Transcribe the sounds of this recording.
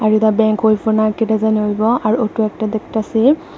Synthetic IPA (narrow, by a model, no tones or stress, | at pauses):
aɹitabɛŋkɦojpʰɔɹnaɹkitazaniojbɔaɹuotuɛk̚tad̪ek̚tasi